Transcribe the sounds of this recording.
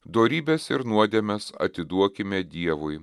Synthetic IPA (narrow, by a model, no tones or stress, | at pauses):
d̪oːɾʲiːbʲɛsɪɾnuɔd̪ʲeɛmʲɛsɐ̰t̪ʲɪd̪uɔkʲɪmʲɛd̪ʲiɛʋʊɪ